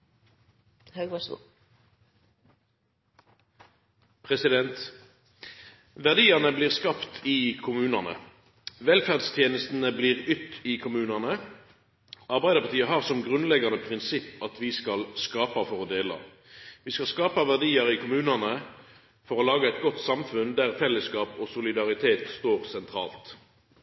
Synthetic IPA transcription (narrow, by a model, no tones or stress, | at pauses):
hɑɡɑ | pʰʁɛsɪd̪ɛnt̪ | ʋæʁd̪iːəʁnəbliːʁskɑpt̪ʰiːkʰʊmʉːnɑnə̰ | ʋɛlfæʁd̪st̪ʰjeːnəst̪n̩əbliːʁʏt̪iːkʰʊmʉːnɑnə | ɑʁbæɪd̪əpɑt̪iːəɦɑːʁsɔmɡʁʉnlɛɡɑnəpʰʁɪnsɪpːɑt̪ʰʋɪskɑlskɑːpɑfɔʁɔd̪eːlɑ̰ | ʋiːskɑlskɑːpɑʋæʁd̪iːəʁɪkʰʊmʉːnɑnə | fɔʁɔlɑːɡəɛɪt̪̚ɡɔt̪sɑmfʉnd̪æʁfɛlːəskɑːpɔsʊlɪd̪ɑʁɪt̪ʰeːt̪st̪oːʁsɛnt̪ʰʁɑ̰ːlt̪